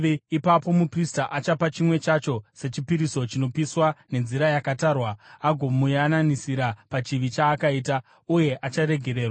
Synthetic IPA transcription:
ipapo̞mupristaʔat͡ʃapat͡ʃimwe̞t͡ʃat͡ʃo̞se̞t͡ʃipiɾiso̞t͡ʃino̞piswane̞nziɾajakataːrwaaɡʱo̞mujananisiɾapat͡ʃiʋit͡ʃaːkaiːta | uje̞ʔat͡ʃaɾe̞ɡʱe̞ɾe̞ːrwa

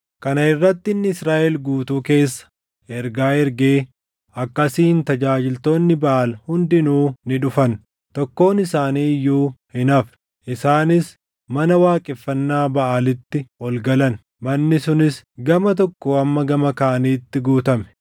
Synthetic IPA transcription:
kɐnɐɪrːɐt̪ːɪnːɪɪsɾaːʔɛlɡuːt̪uːke̞ːsːɐ̥ | ɛɾɡaːɛɾɡeː | ɐkːɐsiːnt̪ɐd͡ʒaːd͡ʒɪlt̪o̞ːnːɪbɐʔaːlhʊnd̪ɪnuːnɪᶑʊfɐn | t̪ɔkːo̞ːnɪsaːniːjuːhɪnɐf | ʔɪsaːnɪs | mɐnɐwaːkʼɪfːɐnːaːbɐʔaːlɪt̪ːɪɔlɡɐlɐn | mɐnːɪsʊnɪsɡɐmɐt̪̬ɔkːoːɐmːɐɡɐmɐkɐːɐniːt̪ːɪɡuːt̪ɐmɛ̥

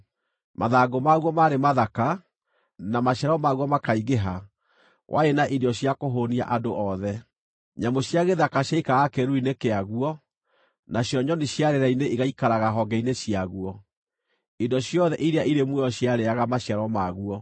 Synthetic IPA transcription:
maðaːɡomaɣwɔmaɾemaðaka | namaɕjaɾɔmaɣwɔmakaiɣeɦa | wʔa̰enaʔidɔɕjakoɦonia̰ʔadoʔɔðɛ | ɲamoɕjaɣeðakaɕaikaɣakɛɾuinekeaɣuɔ | naɕjɔɲɔneɕjaɾeɾaineʔiɣaikaɾaɣaɦɔɡɛineɕjaɣuɔ | idɔɕjɔðɛʔiɾeaʔiɾemwɛɔɕjaɾeaɣamaɕjaɾɔmaɣuɔ

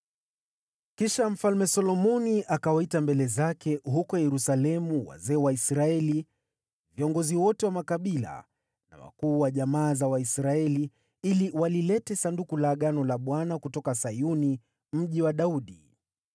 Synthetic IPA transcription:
kiʃam̩falmɛsɔlɔmɔniʔakawaitambɛlɛzakɛɦukɔjɛɾusalɛmuwa̰zɛːwaisɾaɛli | viɔŋɡɔziwɔtɛwamakaɓila̰ | na̰wa̰kuːwaʄamaːzawaisɾaɛli | iliwalilɛtɛsandukulaːɠanɔlaɓwanakutɔkasajuni | m̩ʄiwaɗauɗi

